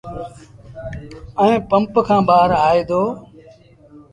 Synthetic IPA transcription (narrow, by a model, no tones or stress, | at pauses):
əẽːpəmpkʰãːbaːəɾaːeːd̪oː